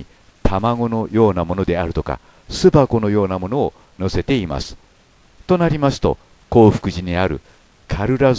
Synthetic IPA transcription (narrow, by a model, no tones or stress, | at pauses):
t̪ʰamaŋo̞no̞jo̞ːnamo̞no̞d̪e̞aɾɯ̟t̪o̞ka̰ | sɨbako̞no̞jo̞ːnamo̞no̞ː | no̞se̞t̪e̞ima̰sɨ̥ | t̪o̞naɾʲimasɨ̥t̪o̞̰ | ko̞ːɸɯ̥kɯ̟ʑiɲ̟iaɾɯ̟̰ | kʰaɾɯ̟ɾaz